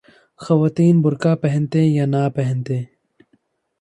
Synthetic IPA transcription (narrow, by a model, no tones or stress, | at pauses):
xɐwaːt̪iːnbʊɾkaːpɐɦɪ̃nt̪ẽːjaːnaːpeɦɪnt̪ẽː